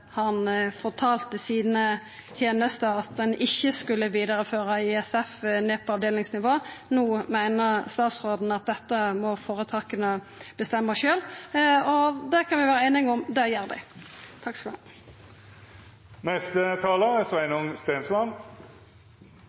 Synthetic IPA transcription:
hɑnfɔʁt̪ʰɑːlt̪əsiːnə | t̪ʰjeːnəst̪əɾɑt̪̚ɛnʔɪçːəskʉlːəʋiːd̪əʁəføːɾəɪɛsɛfneːpʰɔɑʋd̪eːlɪŋsnɪʋoːnuːmæɪnəʁst̪ɑːt̪sʁoːd̪n̩ɑt̪̚d̪ɛt̪ːəmɔfoːʁət̪ʰɑːkənə | b̥əst̪ɛmːəʃøːlɔd̪ɛkʰɑnʋɪʋæːʁəeːnɪŋɔmd̪ɛjeːʁd̪ɛ̰t̪ʰɑksl | nɛst̪ət̪ʰɑːləsʋæɪnʊŋst̪eːnslɑn

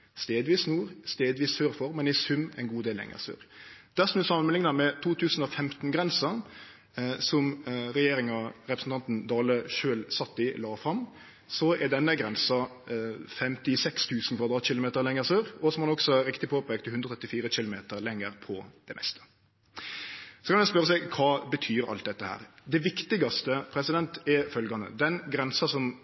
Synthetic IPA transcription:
st̪eːd̪ʋiːsnuːɾst̪eːd̪ʋiːssøːɾfɔɾmɛnɪsʉmɛ̰ɪnɡuːd̪eːlɛ̰ŋə̰sø̰ːʁd̪̥æsɔmd̪ʉsɑmənməlɪŋnɑmɛt̪ʰuːt̪ʰʉːsn̩ɔfɛmt̪n̩ɡʁɛnsɑ | sɔmʁɛjeːɾɪŋɑɾɛpɾəsn̩t̪ʰɑnt̪n̩d̪ɑːləʃøːlsɑt̪ːɪlɑːfɾʁɑm | sɔʔɛd̪ɛnːəɡɾɛnsɑ | fɛmt̪ɪsɛkst̪ʰʉːsən̩kʰʋɑʁd̪ɾɑːt̪ɕɪlʊmeːt̪əɾlɛŋːəɾsøːʁɔsɔmhɑnɔksɔɾɪkt̪ɪpʰoːpʰek̚t̪ʰɪhʉndɾəɔt̪ʰɛt̪ːɪfiːɾəɕɪlʊmeːt̪əɾlɛŋːəɾpʰɔd̪̥ɛmʔɛ̰st̪ʰə̥ | sɔ̥kʰɑnʋɛspœɾəsɛɡkʰɑːbət̪ʰyːɾɑ̰lt̪̚d̪ɛt̪ːəhæ̰ːɾd̪ɛʋɪkt̪ɪɡɑst̪əpʰɾɛsɪd̪ɛnt̪ɛfœlɡɑnə̰d̪ɛnɡɾɛnsɑsɔm

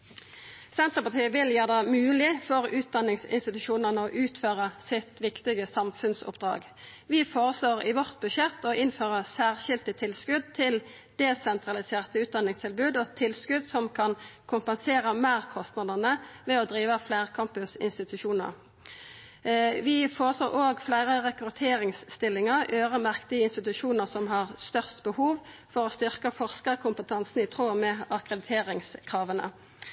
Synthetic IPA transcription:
sɛnt̪ʁəpɑʁt̪ʰiːəʋɪljæːʁd̪ɛmʉːlɪfɔʁʉːt̪̚d̪ɑnːɪŋsɪ̰nst̪ɪt̪ʉʃuːnənəɔʔʉːt̪føːʁəsɪt̪ʋɪkt̪ɪɡəsɑmfʉnsʊ̰pd̪̥ʁɑ̰ːɡ | ʋɪfoːʁəsloːʁɪ̰ʋɔʁt̪̚bʉʃɛt̪ːɔɪnføːʁəsæːʁʃɪlt̪ət̪ʰɪlskʉd̪̚t̪ʰɪl | d̪̥ɛːsɛnt̪ʁɑlɪseːʁt̪əʉːt̪̚d̪ɑnɪŋst̪ʰɪlbʉːd̪ot̪ʰɪlskʉd̪sɔmkʰɑnkʰʊmpɛnseːʁəmæːʁkʰɔst̪nɑd̪ənəʋɛɔd̪ʁiːʋəflæːʁkʰɑmpʉsɪ̰nst̪ɪt̪ʉʃuːnə̰ʁ | ʋɪfoːsoːʁoːɡflæɪʁəʁɛkʁʉt̪ʰeːʁɪŋsːt̪ɪlːɪŋəʁøːʁəmæʁkt̪ɪəɪnst̪ɪt̪ʉʃuːnəʁsɔmɦɑʁst̪œʁst̪bəhuːʋfɔʁɔst̪ʏʁkəfɔʁskəʁkʰʊmpət̪ʰɑnsnɪt̪ʰʁoːmɛɑkʁɛd̪ɪt̪ʰeːʁɪŋskʰʁɑːʋənə̰

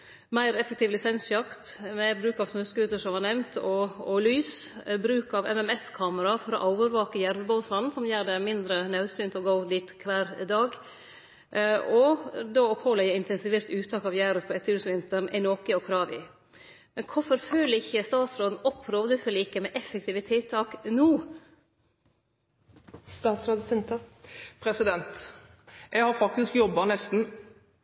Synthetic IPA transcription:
mæɪɾɛfək̚t̪ʰɪːʋlɪsɛnsjɑkt̪mɛbɾʉːkɑʋsnøːskʉːd̪əʂɔmhɑnɛʋnt̪ʰɔɔlyːsbɾʉːkɑʋɛmɛmɛskʰɑːməɾɑfɔɾɔ̰ʔɑʊʋəɾʋɑːkəjæɾməbɑʊsɑnsɔmjæːɖɛmɪnd̪ɾənɑʉsyːnt̪ɔɡoʊd̪iːt̪kʰʋæːɾd̪ɑːɡ | ɔd̪oːɔphɔlːəɪɪnt̪ʰɛnsɪʋeːɾt̪ʉːt̪ʰɑːkɑʋjæːɾəɾpʰɔɛt̪ʰːəɾʉːsʋɪnt̪əɳʔæ̰ɪnoːkəɔkʰɾɑːʋɪ̰ | mɛnkʰʊfɔɾføːlɪçəst̪ɑːt̪sɾoːd̪n̩ɔpʰːɾɔʋd̪əfɔlɪkəmɛʔɛfːɛk̚t̪ʰɪːʋət̪ʰɪlt̪ʰɑːknuː | st̪ɑːt̪sɾɑd̪sɛnt̪əpʰɾɛsɪd̪ɛnt̪ | jæɪhɑɾfɑk̚t̪ɪskjɔbːɑnɛst̪n̩

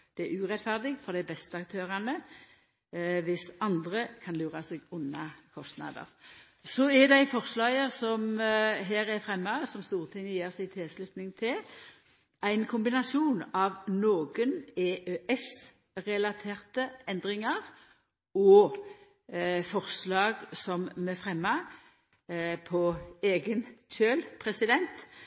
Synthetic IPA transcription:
d̪̥ɛæʉʁɛt̪fæʁd̪ɪɡfɔʁd̪æɪbɛst̪əɑk̚t̪ʰøːʁɑnə | ʋɪsɑnd̪ʁəkʰɑnlʉːʁɑseɡʊnːɑkʰɔst̪nɑ̰d̪ə̰ʁ | sɔɛd̪æɪfɔʁslɑːjəsɔmɦeːɾɛfʁɛmːɑsɔmst̪uːʁt̪ʰɪŋəjeːʁsɪt̪ʰɪlslʉt̪nɪŋt̪ʰɪl | ʔæɪnkʰʊmbɪnɑsuːnɑʋnoːɡəneʔøʔɛs | ʁɛlɑt̪ʰeːʁt̪əɛnd̪ʁɪŋəʁ | ɔ | fɔʁslɑːɡsɔmmɛfʁɛmːɑ | pʰɔeːɡənçøːlpʰʁɛsɪd̪ɛnt̪

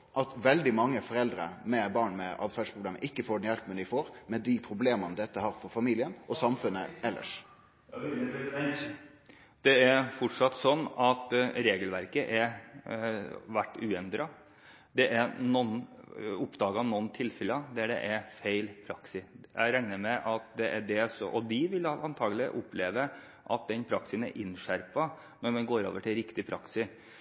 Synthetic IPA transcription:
ʔɑt̪ʋɛld̪ɪmɑŋːəfɔɾɛld̪ɾə̰mɛbɑːɳmɛʔɑ̰d̪fæɖʂpʰʁʊbleːmə̰ʔɪkːəfoːɖɛnjɛlpmʉnɪfoːɾmɛd̪ɪpʰɾʊbleːmənəd̪ɛt̪ːəhɑːɾfɔɾfɑmiːlɪənʔɔsɑmfʉnːəɛlːʔə̰ʂ | d̪̥ɛæɾfɔʈʂɑt̪ːsɔnːɑt̪ɾeːɡəlʋæɾkəʔæɾ | ʋæʈːʉːɛnd̪ɾɑ | d̪ɛʔæɾnɔnːʊpd̪ɑːɡɑɑʋnɔnːt̪ʰɪlfɛləɑd̪ææɖɛ̰ʔæɾfeɪlpʰɾɑksɪjæ̰ɪɾæŋnəɾmɛʔɑt̪d̪ɛʔæɖɛsɔɔd̪ɪʋɪlɑnt̪ʰɑːɡəlɪʔʊpleːʋə | ʔɑt̪̚d̪ɛnpʰɾɑksɪsənæ̰ɾʔɪnʂæɾpɑ | nɔɾmɛnɡoːɾo̰ːʋəʈʰɪlɾɪkt̪ɪpʰɾɑ̰ksɪ

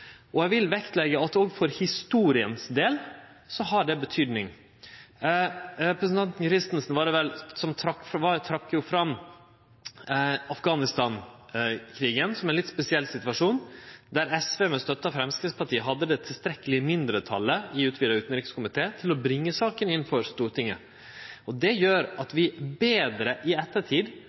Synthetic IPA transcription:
ʔɔjæʋɪlʋɛkt̪lɛɡəɑt̪ɔɡfɔɾhɪst̪uːɾɪənsd̪eːl | sɔhɑɖɛbət̪ʰyːd̪nɪŋ | ɾɛpɾəsənt̪ɑnt̪nkʰɾɪst̪ənsənʋɑɖʋɛlsɔmt̪ʰɾɑkːfʋɑt̪ʰɾɑkːjʊfɾɑ | ɑfɡɑːnɪst̪ɑːn | kʰɾiːɡənsɔmɛnlɪt̪spɛsɪɛlːsɪt̪ʋɑʂuːnd̪æɾɛsʋeːmɛst̪œt̪ːəɑfɾɛmskɾɪspʰɑʈiːəɦɑd̪ːəd̪ɛt̪ʰɪlst̪ɾɛkːəlɪmɪnd̪ɾət̪ʰɑ̰lːəɪʉːt̪ʰʋiːd̪əɾʉːt̪ən̩ɾɪːkskʊmɪt̪ʰeːt̪ʰɪlɔbɾɪŋːəsɑːkənɪnfɔɾst̪uːʈɪŋːə̰ | ɔd̪ɛjøːɾɑt̪ʋɪbeːd̪ɾəʔɪɛt̪ːəʈʰiːd̪

